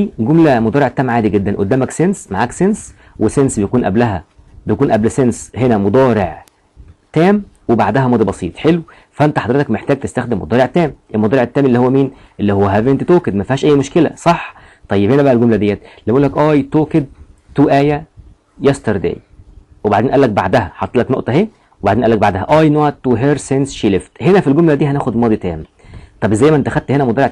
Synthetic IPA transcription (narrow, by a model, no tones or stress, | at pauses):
iɡomlæmod̪ˤɑːɾeʕt̪ːæːmʕaːd̪iɡed̪ːænʔod̪ːæːmæksensmaʕaːksens | wesensbejækuːnʔæblæɦæ | bejkuːnʔæblsenshenæmod̪ˤɑːɾeʕ | t̪æːm | webaʕd̪æɦæmɑːd̪ibɑsˤiːt̪ˤħelw | fæʔent̪æħɑd̪ɾet̪ɑkmeħt̪æːɡ̚t̪est̪æxd̪emːo̰d̪ˤɑːɾeʕt̪ːæːmʔelmod̪ɑːɾeʕʔet̪ːæːmʔelːihowːæmiːn | ʔelːihowːæɦævʔent̪it̪oːked̪mæfihæːʃʔæjːmoʃkelæ̰sˤɑħ | t̪ˤɑjːebhenæbæʔælɡomlæd̪ejːæːt̪lebæʔuːlːækʔɑːjt̪oːked̪̚ | t̪uːʔæːjæ | jæst̪ɑɾˤd̪ḛːj | webaʕd̪eːnʔælːæk̚ba̰ʕd̪æhæħɑt̪ˤːelɑknoʔt̪ˤɑheː | webaʕd̪eːnʔælːæk̚baʕd̪æhæʔɑːjnoʕt̪ːuɦeɾsensʃileft̪henæfilɡomlæd̪iːɦænæːxod̪mɑːd̪ˤit̪æ̰ːm | t̪ˤɑbʔzæjːmæʔent̪æxæd̪̚t̪henæmod̪ɑɾeʕ